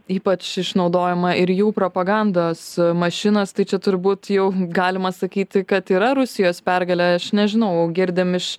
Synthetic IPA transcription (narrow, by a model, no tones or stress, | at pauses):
iːpɐt͡ʃɪʃnɒʊd̪oːjɛmɐʔɪɾjuːpɾoːpɐɡɑnd̪oːsmɐʃʲɪnɐst̪ɐɪt͡ʃʲɛt̪ʊɾbuːt̪jɛʊɡɑːlʲɪmɐsɐkʲiːt̪ʲɪkɐt̪iːɾɐɾʊsʲɪjoːspʲærɡɐlʲɛɐʃnʲɛʒʲɪnɐʊɡʲɪɾʲd̪ʲɪmɪʃ